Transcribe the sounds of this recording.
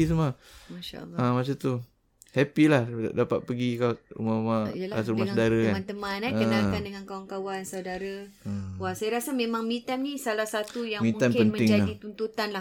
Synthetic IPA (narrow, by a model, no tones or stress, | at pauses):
isəmamaʃa̰ːãmat͡ʃat̪u | hɛpilahdapat̪̚pəɡikaṵmamajəlaasummaŋsdaɾakamãnt̪əmãnaəkənakandəŋankawankawansawdaɾa | əwasajaɾasamẽmãŋmĩt̪annĩsalahsat̪ujaŋmĩnt̪anpənmə̃ɪŋd͡ʒaadit̪unt̪ut̪anlah